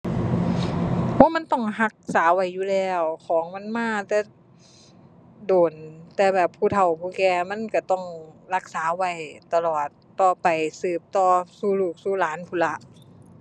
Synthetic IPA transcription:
wɔː˧˥˨ma˧˥˨nt̪ɔ˧˩ŋɦa˧˥k̚saː˨˦wa˧˩jːuː˧˨lɛː˧˩wkʰɔː˨˦ŋma˧˥˨nmaː˧˥˨t̪ɛː˧˩ | doː˨˩nt̪ɛː˧˩bɛː˨˩pʰːuː˧˩t̪ʰa˨˩wpʰuː˧˨kɛː˧˩ma˧˥˨nka˧˩t̪ɔ˧˥˩ŋla˧˥k̚saː˨˦wa˧˩jt̪a˧lɔː˨˩t̪ːɔː˧˩pa˨jsɯː˨˩p̚t̪ɔː˧˩suː˧˩luː˨˩k̚suː˧˩˨laː˨˦npʰuː˧˨la˧˥ʔ

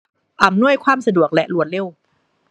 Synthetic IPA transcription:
ʔa˨˩mnu˥˩əjkʰwaː˧˥˩msa˧du˨˩ək̚lɛ˦˥ʔlu˨˩˦ənle˧˥˩w

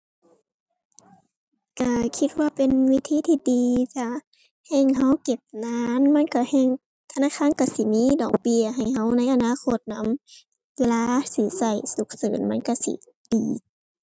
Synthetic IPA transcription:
ka˧˩kʰi˧t̪̚waː˧˨pe˨nwi˦˧˥t̪ʰiː˧˥˨t̪ʰiː˧˨diː˨t͡ɕa˧ | hɛː˧˩˨ŋɦa˧˥˨wke˧˩p̚naː˧˥nma˧˥˨nka˧˩hɛː˧˩˨ŋ | t̪ʰa˧naː˧˥˨kʰaː˧˥˨nka˧˩si˧˦miː˧˥˨dɔ̰ː˨˩k̚pi˧˨əɦa˨˩jha˧˥wna˧˥jʔa˧˨naː˧˥˨kʰo˧˩t̪̚na˧˥˨m | weː˧laː˧˨si˧˦sa˧˩jsu˧˩˦k̚sɤː˨˦nma˧˥˨nka˧˩sḭ˧˦ | d̥iː˨˩

